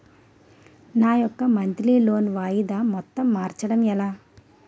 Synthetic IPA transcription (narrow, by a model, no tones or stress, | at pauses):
naːjɔkːɐmɐnt̪liloːnʋaːjid̪aːmɔt̪ːɐmːaːɾt͡ʃɐɽɐmɛlaː